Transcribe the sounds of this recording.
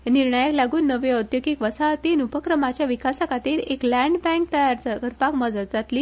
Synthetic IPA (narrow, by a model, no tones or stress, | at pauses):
niɾɳəjəklaɡuːnːəʋeəd̪joɡikʋəsat̪inupəkɾəmat͡ɕjaʋikasəkat̪iːɾeklæ̃ɳɖbɛ̃ŋk̚t̪əjaɾt͡səkəɾpakməd͡zəd̪d͡zat̪liː